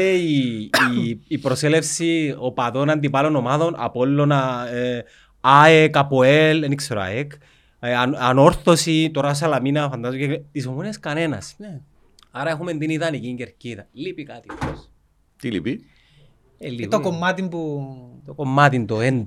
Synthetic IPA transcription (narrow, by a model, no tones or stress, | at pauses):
ei | pɾo̞selefsiopaðo̞nand̪ipalonomaðo̞nʔa̰polːo̞na | aekapoelenikseɾoa̰ek | nanoɾθo̞sit̪oɾas̬alaminɐfand̪azocekt̪isomoniɐskɐne̞nɐ̰s | aɾɐexumend̪iniðɐniciɲɟeɾciðɐlipikat̪ios | t̪ilḭpi | elit̪okomːɐt̪impuokomːat̪ind̪oend̪